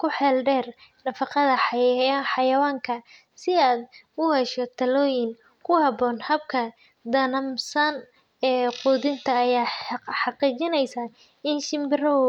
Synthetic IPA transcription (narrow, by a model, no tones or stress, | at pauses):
kʰʊħɛːlɖɛːrnɐfɑqɑðɐħħɑjɐwaːŋkʰɐ | sɪaːd̪ʊhɛʃɔt̪ʰɐlɔːjɪŋ | kʰʊhɑbɔːnhɐb̚kʰɐ | d̪ɐnɐmsɐn | ɛːqʊːðɪnt̪ʰɐːjaːħɑqiːt͡ʃɪnɛjsɐ | ɪnʃɪmbɪrɔ